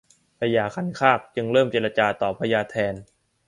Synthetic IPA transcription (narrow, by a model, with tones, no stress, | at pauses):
pʰa˧jaː˧˩kʰa˧˥nkʰaː˥˩k̚t͡ɕɯ˧ŋɾɤː˥˩mt͡ɕeː˧la˧t͡ɕaː˧t̪ɔː˨˩pʰa˧jaː˧t̪ʰɛː˧n